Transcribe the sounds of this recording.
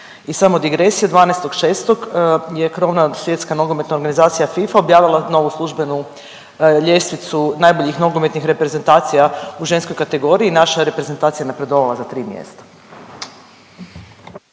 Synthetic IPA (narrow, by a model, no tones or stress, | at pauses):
isamod̪iɡɾe̞sijed̪ʋaːneest̪o̞ɡʃeːst̪oɡje̞kɾoʋnasʋje̞t̪skano̞ɡo̞met̪naoɾɡanizaːt̪sijafifaobjaːʋilˠano̞ʋuslˠuʒbe̞nu | ʎest̪ʋit̪sunajbo̞ʎixno̞ɡome̞t̪nixɾe̞pɾe̞ze̞nt̪aːt̪sijauʒe̞nskojkat̪e̞ɡo̞ɾiiːnaʃaɾe̞pɾe̞zent̪aːt̪sijanapɾe̞d̪o̞ʋalazat̪ɾiːmjḛst̪ḁ